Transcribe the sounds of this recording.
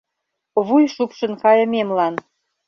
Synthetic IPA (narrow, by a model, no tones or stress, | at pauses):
βujʃupʃɤ̆nkɑjɤ̆mʲemlɑn